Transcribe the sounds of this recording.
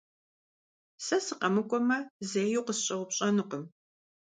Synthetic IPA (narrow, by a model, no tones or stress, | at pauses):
sɐsɨqʼɐmɨkʷʼɔmɐzejuqəsɕʼɐwʷʊpɕʼɐnɨqəm